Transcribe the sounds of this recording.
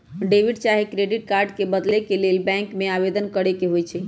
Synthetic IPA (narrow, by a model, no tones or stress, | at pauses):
ɖeʋiɖt͡ʃaɦekɾeɖiʈkaɾɖkebəd̪lekelelbɛ̃ŋkmeabed̪ənkəɽekeɦojt͡ʃʰɛ